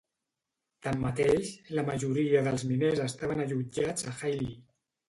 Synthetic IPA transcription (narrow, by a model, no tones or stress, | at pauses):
t̪amːət̪eʃləməʒuɾiəðəlˠzminezəst̪aβənəʎud͡ʒad͡zəxajli